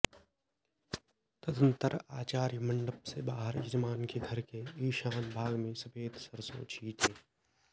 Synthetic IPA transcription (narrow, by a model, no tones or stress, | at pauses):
t̪əd̪ənt̪əɾaːt͡ʃaːɾjəmɐ̃ɳɖəpsebaːɦəɾɪd͡ʒmaːnkeɡʱɐɾkeiːʃaːnbʱaːɡmẽsɐpeːd̪səɾso̰ːt͡ʃʰiːt̪ʰeː